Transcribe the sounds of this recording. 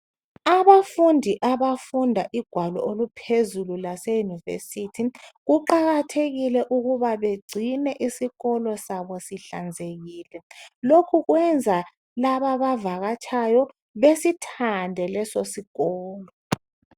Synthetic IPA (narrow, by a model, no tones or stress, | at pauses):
aβafundʱiʔaβafundʱaʔiɡ̥ʱwalɔ̰ʔolupʰezululasejunivḛsitʰiɣuǃaɣatʰeɣilɛʔuɣuβaβeɡ͡ǀʱinɛʔisiɣɔlɔsaβɔsiɬand͡zʱeɣiːlɛlokʰuɣwɛnd͡zʱa | laβaβavaɣat͡ʃʰʼajɔ | βesitʰandʱɛlɛsosiɣɔːlɔ